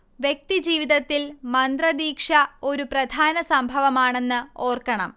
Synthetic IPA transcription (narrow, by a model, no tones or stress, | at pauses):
ʋje̞k̚t̪id͡ʑiːʋiðɐt̪ːilmɐnd̪rɐd̪iːkʂɐo̞ɾuprɐd̪ʱaːnɐsɐmbʱɐʋɐmaːɳe̞nːɨo̞ːrkɐɳɐ̰m